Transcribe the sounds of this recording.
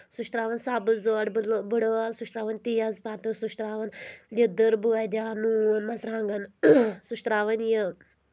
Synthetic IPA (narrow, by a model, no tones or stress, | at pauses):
suʃt̪ɾaːʋɐnsaːbəlzoːɽblbəɽəalsuʃt̪ɾaːʋənʲt̪ijazpat̪əsuʃt̪ɾaːʋɐnjəd̪əɾbuajd̪ʲaːnunmɐsɾãːŋɡɐnsuʃt̪ɾaːʋənjə